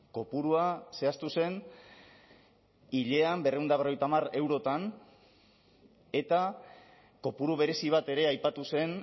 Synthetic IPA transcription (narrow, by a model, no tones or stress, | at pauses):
ko̞puɾuase̞ast̪use̞n | iʎe̞ambe̞reund̪aβro̞jt̪amare̞wɾo̞t̪an | e̞t̪a | ko̞puɾuβ̞e̞ɾe̞siβ̞at̪e̞ɾe̞ajpat̪use̞n